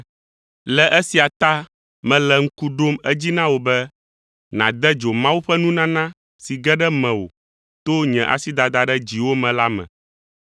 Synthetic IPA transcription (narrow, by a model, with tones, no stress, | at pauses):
lɛ˨ʔɛ˦si˨a˨t̪a˦ | mɛ̃˨lɛ˨ŋ̩˦ku˦ɖo˦mɛ˦d͡ʑi˦nã˦wo˨bɛ˦ | nã̰˨d̪ɛ˦d͡ʒo˨mã˦wu˦ɸɛ˦nũ˦nã˦nã˦ | si˨ɡɛ˦ɖɛ˦mɛ̃˨wo̰˨ | t̪o˦ɲɛ̃˨ʔa̰˨si˦d̪a˨d̪a˨ɖɛ˦d͡ʑi˨wo˦mɛ̃˨la˦mɛ̰̃˨